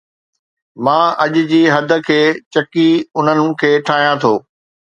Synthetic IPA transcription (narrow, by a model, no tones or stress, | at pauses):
mãːɐʄʊ̆d͡ʑiːɦɐd̪ʱə̆kʰeːt͡ɕɐkiʊn̤ənɪ̆kʰeːʈʰaːɦijãt̪ʰoː